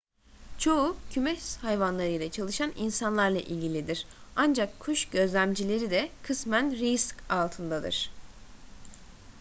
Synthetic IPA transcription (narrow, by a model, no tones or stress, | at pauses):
t͡ʃʰo̞ucʰymɛʃshajvanlˠaɾɯjlʲˠat͡ʃʰalˠɯʃaninsanlˠaɾlˠa̰ʔilʲɟilʲid̪iɾ̥and͡ʒakʰːuʃɟø̞zlʲæmd͡ʒilʲe̞ɾid̪ɛkʰɯsmænɾiskalˠt̪ʰɯnd̪ad̪ɯ̰ɾ̥